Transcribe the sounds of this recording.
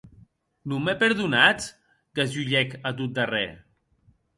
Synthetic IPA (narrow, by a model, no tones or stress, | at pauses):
numepeɾðunat͡s | kazuʎɛkat̪̬ut̪̚d̪arɛ̰